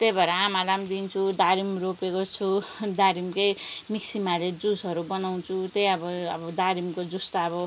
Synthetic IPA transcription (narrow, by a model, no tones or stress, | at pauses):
t̪ejbʱʌɾʌamalamd̪int͡sʰud̪aɾimropekot͡sʰud̪aɾimkejmiksimaled͡zusɦʌɾubʌnawt͡sʰut̪ejʌbʌʌbʌd̪aɾimkod͡zust̪aʌbʌ